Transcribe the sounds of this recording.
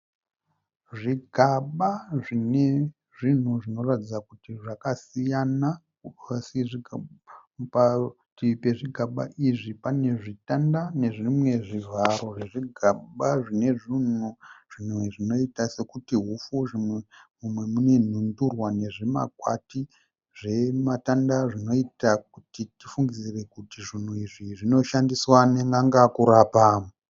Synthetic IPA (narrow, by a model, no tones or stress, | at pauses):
ʐiɡʱaɓaʐine | ʐin̤uʐino̞ratid͡zakutiʐakasijana | siʐia | pa | tipe̞ʐiɡʱaɓa̰iʐipane̞ʐitandane̞ʐimwe̞ʐivʱaɾo̞ʐeʐiɡʱaɓaʐine̞ʐinuʐ̥inweʐino̞itase̞kutiɦufuʐimemumwe̞mune̞n̤undurwane̞ʐe̞ma̰kwa̰ti | ʐ̥e̞matandaʐino̞itak̚utitifuŋɡizire̞kutiʐin̤uiʐiʐino̞ʃandiswaneŋɡaŋɡakuɾapaːmu